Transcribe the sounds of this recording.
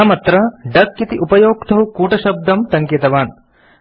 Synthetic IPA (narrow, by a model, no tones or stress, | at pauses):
mɐt̪ɾɐɖɐkːit̪iʔupɐjoːkt̪ʰɐɦukuːʈɐʃɐb̚d̪ʱɐmt̪ɐŋkɐt̪ɐʋaːn